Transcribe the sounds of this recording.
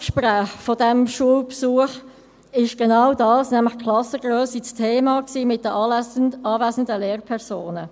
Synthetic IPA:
kʃpɾæːχfɔdæmʃuəwpsuəχ | ɪʃɡ̥enawdɑːsnæmlɪχkʰlɑsəɡ̥ɾøːsit͡stʰeːmɑksiːmɪt̚d̥ə | ɑːvæːsən̩dəleːɾpʰɛʁsoːnə

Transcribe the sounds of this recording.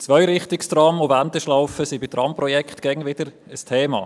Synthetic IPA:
t͡svœʏɾɪχtɪkstɾɑmʊvæntəʃlaʊfəsibɪt̪ɾɑmpɾɔjɛkχtɡ̥ɛŋvɪdəɾ | əstʰeːmɑ̰ː

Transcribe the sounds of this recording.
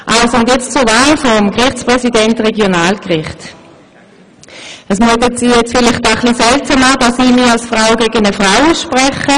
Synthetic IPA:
ʔalsoʊndjɛt͡st͡suɐvaːlfɔʁmɡʁɪχt͡spʁɛsidɛntʁeɡjonaːlkʁɪχt | əsmyɔtətsiːjɛt͡sfɪlɪχtaχlisɛltsamaːdasiːmialsfʁaʊɡeɡənəfʁaʊʃpʁɛχə

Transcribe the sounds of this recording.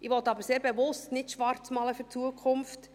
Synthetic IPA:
ɪʋɔtɑbəɾseːɾb̥evʊstnɪtʃʋɑɾt͡smɑːləfʏɾt͡suəkʰʊmft

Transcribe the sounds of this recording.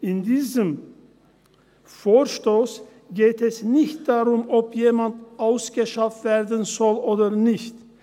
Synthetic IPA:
ʔɪndiːzəm | foːʃtoːs | ɡ̥eːtʰɛsnɪçt̚d̥aʁʊmʔɔpʰjeːmandʔaʊsɡ̥əʃaftv̥eːɐdən̩zɔlʔoːdɐnɪçt

